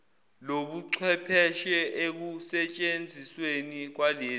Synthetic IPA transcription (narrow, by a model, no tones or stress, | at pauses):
loɓuǀʰwɛpʰɛʃɛʔek̬usɛt͡ʃʼend͡zʱiswenik̬waleː